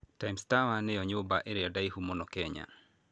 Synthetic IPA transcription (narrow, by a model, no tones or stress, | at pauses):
taimstawanɛjɔɲʊbaʔeɾɛɔdaihumɔnɔkɛɲa̰